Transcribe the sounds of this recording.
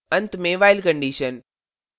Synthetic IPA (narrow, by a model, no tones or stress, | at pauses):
ɐ̃nt̪mẽʋaːɪlkə̃ɳɖiːʃən